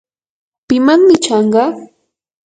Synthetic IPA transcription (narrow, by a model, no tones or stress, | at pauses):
pɪmaŋmɪt͡ʃɑɴɢɑ